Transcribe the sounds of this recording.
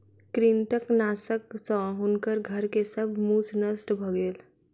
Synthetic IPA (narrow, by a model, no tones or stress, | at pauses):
kɾinʈəknasəksə̃ɦunkəɾɡʱəɾkesəbʱmusnəsʈbʱɔɡel